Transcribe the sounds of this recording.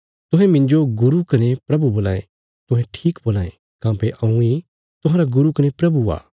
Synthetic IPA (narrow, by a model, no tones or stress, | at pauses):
t̪ʊɦɛ̃mɪ̃ɲd͡ʒoɡʊɾukɐnepɾɐbuboːlã̰ːḛ̃ | t̪ʊɦɛ̃ʈʰiːkboːlãːḛ̃ | kãːpeʔɐ̃ũi | t̪ʊ̃ɦãːɾaɡʊɾukɐnepɾɐbua̰ː